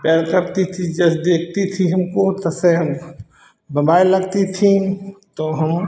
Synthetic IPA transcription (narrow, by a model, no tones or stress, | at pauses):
paɾkɐɾt̪it̪ʰid͡ʒɐsd̪eːkʰt̪it̪ʰiɦɐmkot̪ɐseɦɐm | bɐmaːelɐɡt̪it̪ʰĩt̪oɦɐm